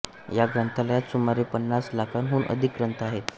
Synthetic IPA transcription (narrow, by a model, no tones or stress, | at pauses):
jaɡɾənt̪ʰalajat̪sumaɾepənːaslakʰanɦuːnə̰d̪ʱik̚ɡɾənt̪əaɦet̪